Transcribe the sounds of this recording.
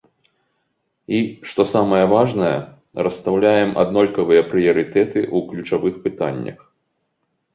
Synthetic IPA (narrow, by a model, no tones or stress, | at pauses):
iʂt̪ɔsamɐjɐvaʐnɐjɐ̰ | ɾɐst̪awlʲajɛmʔa̰d̪nɔlʲkɐvɨjɐpɾɨjɐɾɨt̪ɛt̪ɨʔuklʲut͡ʂavɨxpɨt̪a̰nʲːɐ̰x